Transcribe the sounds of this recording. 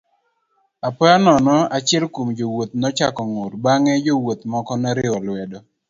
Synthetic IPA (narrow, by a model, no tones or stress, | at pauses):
apɔanɔnɔat͡ʃɪɛlkomd͡ʒowot̪̚nɔt͡ʃakɔŋoɾbaŋɛd͡ʒowot̪mɔkɔnɛɾɪɔlwɛdɔ